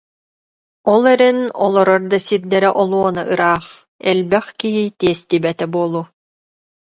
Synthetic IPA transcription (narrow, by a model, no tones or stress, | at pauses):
ɔlˠɛɾɛnɔ̰lˠɔɾɔɾd̪asiɾd̪ɛɾɛʔɔlˠuɔna̰ʔɯɾaːχ | ɛlbɛχkiɦit̪iɛst̪ibɛt̪ɛbuɔlˠu